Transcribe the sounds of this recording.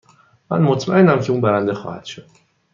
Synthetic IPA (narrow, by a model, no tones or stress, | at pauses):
mæ̰nmot̪ʰmæenæmcʰe̞uːnbæɾænd̪exɒ̰ːhæ̰d̪̥ʃod̪̥